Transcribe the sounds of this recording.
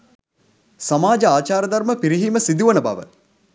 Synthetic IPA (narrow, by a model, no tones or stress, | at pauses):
samaːd͡ʒəaːt͡ʃaːɾəd̪ɐɾməpiɾiɦiməsid̪uʋənəba̰ʋə̰